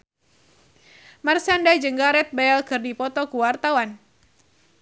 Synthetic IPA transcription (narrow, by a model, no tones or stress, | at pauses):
marsandad͡ʒəŋɡaɾɛt̪̚baɛlkɨrdipɔt̪ɔkuwart̪awan